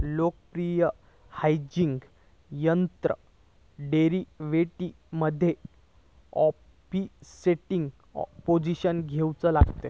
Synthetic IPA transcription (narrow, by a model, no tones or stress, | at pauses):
lok̚əpɾijə | hajd͡ʑiŋɡ | jənt̪ɾə̰ | ɖeɾiʋeʈi | məd̪ʱːje | ɔ | piseʈiŋɡ̰ | pod͡ʑiɕənɡʱewt͡səlaɡt̪e